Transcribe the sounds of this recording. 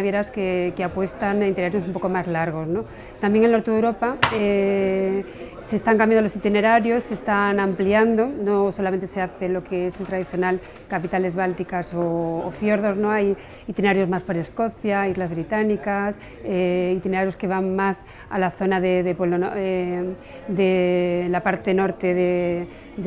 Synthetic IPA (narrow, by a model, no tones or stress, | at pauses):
βjeɾaskekeapwe̞st̪aŋeint̪ineaɾjo̞sumpoko̞mazlaɾɣ̞o̞sno̞ | t̪ambjeŋelnot̪eðewɾo̞pae | se̞st̪aŋk̬ambjand̪olo̞sit̪ine̞ɾaɾjo̞sːest̪anãmpliand̪o̞no̞so̞lament̪ese̞aθelo̞keeselt̪ɾaðiθjo̞nal | kapit̪ale̞zβalt̪ikasoːfjo̞ɾðo̞zno̞aj | it̪ineaɾjo̞zmaspoɾe̞sko̞θjaizlazβɾit̪anikas | eit̪ine̞ɾaɾjoske̞β̞aŋmas | a̰laθo̞naðeðepweβlonoe | d̪elapaɾt̪e̞no̞ɾt̪e̞ðe